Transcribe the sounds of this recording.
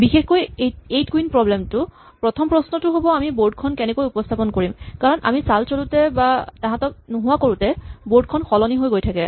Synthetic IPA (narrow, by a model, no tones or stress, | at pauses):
bixexkojejtkuinpɹɔblɛmtʊ | pɹɔtʰɔmpɹɔsnɔtʊɦobɔamiboɹd̚kʰɔnkɛnɛkojupɔstʰapɔnkoɹimkaɹɔnʔa̰misalsolutɛbataɦãtɔk̚nuɦʊwakoɹutɛboɹd̚kʰɔnxɔlɔniɦojɡojtʰakɛ